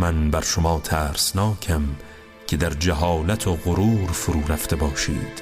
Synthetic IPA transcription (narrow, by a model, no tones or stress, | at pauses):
mænbæɾʃomɒːt̪ʰæːɾsnɒːkʰæm | kʰe̞d̪æɾd͡ʒæɦɒːlæt̪ʰoɣoɾuːɾfoɾuːɾæft̪ebɒːʃḭːd̪̥